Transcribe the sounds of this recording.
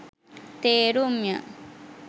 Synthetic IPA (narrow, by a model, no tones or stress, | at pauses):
t̪eːɾumja̰